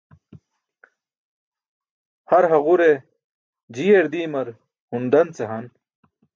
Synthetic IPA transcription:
hɐɾɦɐʁuɾe | d͡ʑieɾd̪iːmɐɾ | hund̪ɐnt͡seɦɐn

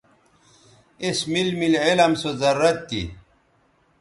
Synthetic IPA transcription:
esmilmilʕilɐmsozɐɾːɐt̪ːḭ

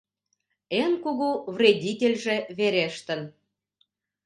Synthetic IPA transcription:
enkuɣuvrʲedʲitʲelʲʒĕβeɾeʃt̪ə̆n

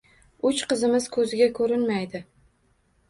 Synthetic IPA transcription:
ʊt͡ʃqɨzɪmɪz̥kʰɵzɪɡʲakʰɵɾɪnmajd̪ɪ

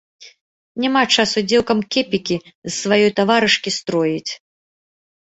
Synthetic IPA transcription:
nʲamat͡ʂasud͡zʲɛwˠkɐmkʲɛpʲikʲizːvajɔjt̪avaɾɨʂkʲist̪ɾɔjit͡sʲ

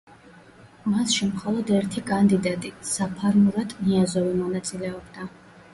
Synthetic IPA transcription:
masʃimχɔlˠɔd̪ɛɾt̪ʰikʼand̪id̪at̪ʼisapʰaɾmuɾad̪̥niazɔvimɔnat̪sʼilɛɔbd̪a

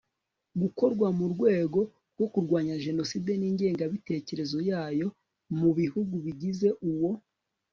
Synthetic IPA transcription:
ɡuko̞ɾɡwamuɾɡwe̞ːɡo̞ | ɾɡwo̞kuɾɡwaːɲaʒe̞no̞side̞niːɲɟe̞ːŋɡaβite̞ːce̞ɾe̞zo̞jaːjo̞ | muβihuɡuβiɟize̞ʔuwo̞

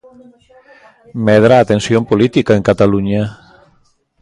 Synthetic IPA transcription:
mɛðɾaːt̪ensjompolit̪ikaeŋkat̪aluɲa

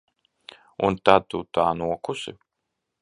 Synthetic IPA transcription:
unt̪at̪ːut̪aːnuɔkusḭ

